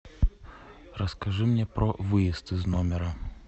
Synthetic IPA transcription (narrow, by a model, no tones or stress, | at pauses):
rəskɐʐɨmnʲepɾəvɨjɪst̪ɨznomʲɪɾɐ